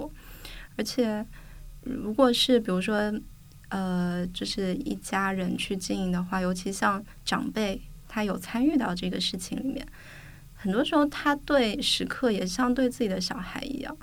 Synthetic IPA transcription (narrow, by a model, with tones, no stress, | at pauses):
ə˞˧˥t͡ɕʰjɛ˨˩ɻu˧˥kwɔ˨˩ʂɻ̩˥˩p̬i˨˩ɻu˧˥ʂwɔ˥ | ə˧t͡ɕjo˥˧ʊʂɻ̩˥˧ḭ˥˩t͡ɕja˥ɻə˧˥nt͡ɕʰy˥˧t͡ɕi˥˩ni˧˥˩ŋd̪ə˨˩xwa˥˩jo˧˥ʊt͡ɕʰi˧˥ɕjɑ˥˧ŋ | ʈ͡ʂɑ̰˨˩ŋpe˥˩ɪ | t̪ʰa˥jo˨˩ʊt͡sʰa˥ny˥˧t̪ɑ˥˧ʊʈ͡ʂɤ˥˩ɡə̰˩ʂɻ̩˥˩t͡ɕʰḭ˧˥ŋli˨˩mjɛ̰˥˩n | xə˨˩nt̪wɔ˥ʂɻ̩˧˥xo˥˧ʊt̪ʰa˥t̪we˥˩ɪʂɻ̩˧˥kʰɤ˥˩jɛ˨˩ɕjɑ˥˧ŋt̪we˥˧ɪt͡sɹ̩˥˩t͡ɕi˨˩d̪ə˦ɕjɑ˨˩ʊxa˧˥ɪḭ˧˥jɑ̰˥˩ŋ